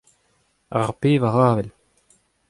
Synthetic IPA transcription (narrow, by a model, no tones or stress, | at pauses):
aʁpeːvaʁaːvɛl